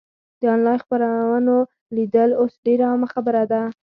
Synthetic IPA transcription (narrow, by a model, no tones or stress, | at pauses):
d̪̥əɑnlɑjxpaɾawəno | lid̪əlosɖeɾaamaxabəɾad̪a